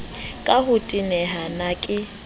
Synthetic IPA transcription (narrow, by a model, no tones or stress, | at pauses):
kʼahʊtʼinɛɦanakʼɪ